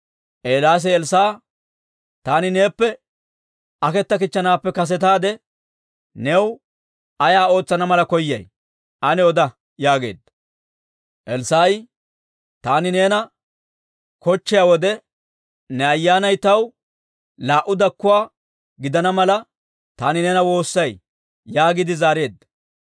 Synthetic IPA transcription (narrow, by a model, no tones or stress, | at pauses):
ʔeːlaːs̬ɛɛlsaː | t̪aːnɪneːpːɛ | ɐkɛt̪ːɐk̬ɪt͡ʃːɐnaːpːɛkɐs̬ɛt̪aːd̪ɛ | nɛw | ɐjaːo̞ːt͡sːɐnɐmɐlɐkɔjːɐ̰j | ʔɐnɛɔd̪ɐ | jaːɡe̞̰ːd̪ɐ | ʔɛlsaːj | t̪aːnɪne̞ːnɐ | kɔt͡ʃːɪjaːwɔd̪ɛ | nɛɐjːaːnɐjt̪ɐw | laːʔʊd̪ɐkːʊwaː | ɡɪd̪ɐnɐmɐlɐ | t̪aːnɪneːnɐwo̞ːsːɐj | jaːɡɪd̪ɪzaːɾe̞ːd̪ːɐ̥